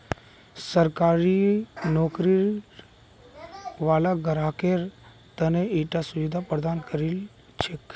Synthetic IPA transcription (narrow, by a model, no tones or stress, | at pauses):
səɾkaːɾinɔːkɾi | ʋaːlaɡəɾaːkeɾ | t̪əneiʈasuʋid̪ʱapɾəd̪aːnkəɾil | t͡ʃʰek